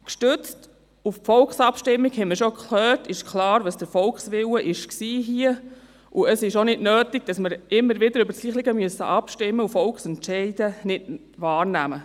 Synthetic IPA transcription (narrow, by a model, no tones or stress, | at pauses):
kʃtʏt͡st | ufpfɔlksɑpʃtɪmːiɡhɛməɾʃokʰlœːtɪʃkʰlɑːɾʋɑsd̥əfɔlkχsʋɪwəʔɪʃksiːɦiə | ʔuəsɪʃonɪdnøːtiɡ̥̚d̥ɑsməɾɪmːəɾʋɪdəɾʏbəɾsliːχlɪɡəmyəsəʔɑpʃtɪmːəufɔlkχsɛntʃɛɪd̥ənɪd | ʋɑːɾnæmə